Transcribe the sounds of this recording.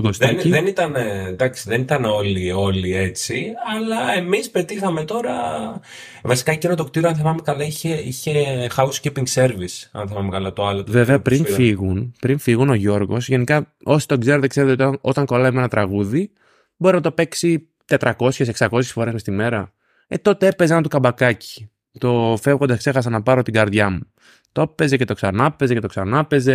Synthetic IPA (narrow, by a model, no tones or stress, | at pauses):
ɡostniðenit̪ɐned̪ɐksiðe̞nit̪ɐno̞lio̞lie̞t͡siɐlɐe̞mispe̞t̪ixɐme̞t̪o̞ɾɐ | vɐsi̥kɐicinot̪ok̚t̪iɾoɐnθimɐmekɐlɐiçeiçe̞xɐuscipiŋɡse̞ɾvisɐ̰nθimɐmekɐlɐt̪oɐlot̪veveɐpɾinfiɣunpɾinfiɣuno̞ʝo̞ɾɣo̞sʝe̞nikɐo̞si̥t̪oɡze̞ɾet̪ekseet̪eot̪ʔot̪ɐŋko̞lɐime̞nɐt̪ɾɐɣuði | bo̞ɾinɐt̪o̞pe̞ksi | t̪et̪ɾɐko̞sçeseksɐko̞s̬çesfo̞ɾe̞zmest̪ime̞ɾɐ | et̪o̞t̪eepezenɐt̪ukɐbɐkɐci̥ | t̪o̞fe̞vɣo̞nd̪ɐskse̞xɐs̬ɐnɐpɐɾo̞t̪iɡɐɾðʝɐmu | t̪o̞pe̞zece̞t̪o̞ksɐnɐpe̞ze̞cet̪o̞ksɐnɐpe̞ze̞